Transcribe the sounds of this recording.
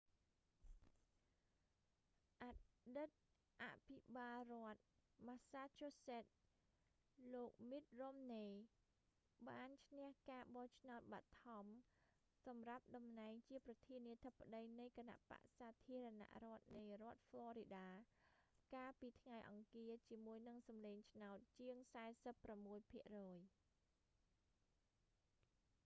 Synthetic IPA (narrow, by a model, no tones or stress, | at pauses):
ʔaɗɨt̪̚ | ʔa̰ʔpʰiɓaːlrŏət̪̚maːsaːt͡ɕoːsɛːt̪̚ | loːk̚mit̪̚romneː | ɓaːnt͡ɕʰnɛ̆əhkaːɓɑht͡ɕʰnaɔt̪̚ɓat̪ʰɑm | sɑmrap̚ɗɑmnaɛŋt͡ɕiəprɑt̪ʰiəniət̪ʰəpːaəɗəjnɨjkəna̰ʔpa̰ʔsaːt̪ʰiəɾəna̰ʔrŏət̪̚nɨjrŏət̪̚flŏəɾiɗaː | kaːlpiːt̪ʰŋajʔɑ̰ŋkiət͡ɕiəmuəjnɨŋsɑmleːŋt͡ɕʰnaɔt̪̚t͡ɕiəŋsaɛsəpːramːuəjpʰiəʔrɔːj